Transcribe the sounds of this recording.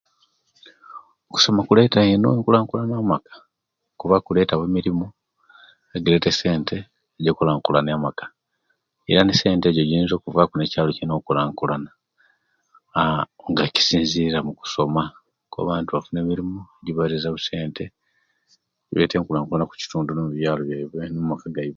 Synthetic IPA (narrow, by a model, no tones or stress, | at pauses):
oku̥so̞makule̞ːtaeno̰eŋkulaːŋkulanaːmakḁ | okuβakule̞ːtaweːmiɾimo | eɡeletese̞ːntʰe̞ː | ɟoːkolaːŋkulanamakḁ | ḛɾanise̞ːnte̞ːɟoɟiɾiːnzo̞ːkuvakunecaːlo̞cino̞ːkulaːŋkulana | ŋɡaci̥siːnziɾamuku̥so̞ma | koa̰βaːntuβafune̞ːmiɾimoeɟiβaɾizaβuse̞ːntʰe̞ | ɟḭβeteːŋkulaːŋkulanaku̥ci̥tuːndunomuβjaːlo̞βjaiβenommakaɡaiβe